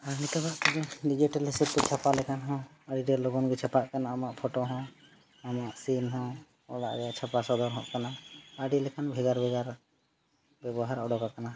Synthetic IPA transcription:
anit̪ɛbaʔk̪ɛd͡ʒɔɖid͡ʒiʈalɦɛsɛt̪̚kɔt͡ʃʰapalɛkanɦɔ̃ | əɖiɖɛlɔɡɔnɡɛt͡ʃʰapaʔkanaamaʔpʰɔʈoɦɔ̃ | amaʔsinɦɔ̃ | ɔ̰ɽaʔɡɛat͡ʃʰapasɔd̪ɔɾɦɔ̃ʔkanaəɖilɛkʰanbʱɛɡaɾbʱɛɡaɾ | bɛbɔɦaɾɔɽɔkakana

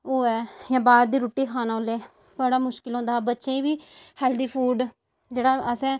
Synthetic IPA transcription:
oːɛːjãːbaːɾd̪iːɾoːʈːiːkʰaːnaːoleː | bəɽaːmʊʃkɪlɦõːnd̪aːbətːʃẽːĩːʋiːhɛːld̪iːpʰuːɖ | d͡ʒeːɽaːəsɛ̃ː

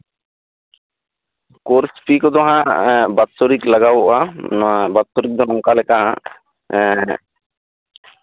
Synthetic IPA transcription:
koɾspikod̪ɔɦãbat̪ːoɾiklaɡawʔa | bat̪ːoɾik̚d̪ɔnɔŋkalekaɦã

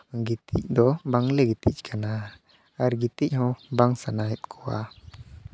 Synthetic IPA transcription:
ɡit̪ḭc̚d̪ɔbaŋlɛɡit̪ic̚kʰana | aɾɡit̪icɦɔ̃baŋsanaɛt̪̚kʰɔwa̰

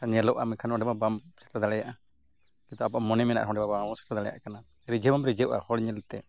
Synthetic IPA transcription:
aɲɛlɔʔa̰mɛkʰanɔɔɖɛbabamsɛ̥t̪ɾad̪alɛjaʔa | kit̪ɔapaamɔnɛmɛna̰ʔɾɦɔ̃ɖɛbabamɔsɛ̥t̪ɾɛd̪aɽɛja̰ʔkana | ɾid͡ʒəbamɾid͡ʒəwʔa̰hɔɽɲɛlt̪ɛ

